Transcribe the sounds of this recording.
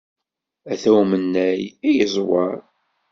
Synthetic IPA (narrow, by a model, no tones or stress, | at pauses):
æθæwmənːæjijəzˤwɑɾˤ